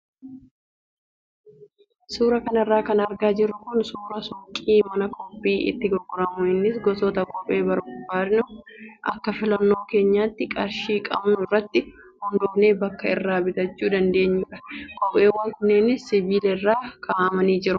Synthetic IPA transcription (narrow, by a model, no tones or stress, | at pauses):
suːɾɐkɐnɪrːaːkɐnɐɾɡaːd͡ʒɪrːʊkʊnsuːɾɐsɔkʼːiːmɐnɐkʼɔpːiːʔɪ̰t̪ːɪɡɔɾɡɔɾɐmʊɪnːɪsɡɔsɔːt̪ɐkʼɔpʼːe̞ːbɐɾɡʊbaːɾnʊʔɐkːɐfɪlɐnːo̞ːke̞ːɲːaːt̪ːɪkʼɐɾʃiːkʼɐ̰bnʊɪrːɐt̪ːɪ | hʊnd̪ɔneːbɐkːɐɪrːaːbɪt̪ɐt͡ʃːuːd̪ɐnd̪e̞ːɲːʊᶑɐkʼɔpʼːeːwːɐŋkʊnːɛnɪssɪbiːlɛrːaːkʰaːmɐniːd͡ʒɪɾʊ